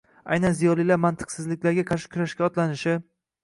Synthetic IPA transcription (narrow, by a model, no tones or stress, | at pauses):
a̰jnanzijɒlˠilaɾmant̪ʰɨ̥qsɪzlɪkʲlaɾɡʲaqʰɑɾʃɪ̥kʰʲʊɾaʃkʲaɒt̪lanɪʃɪ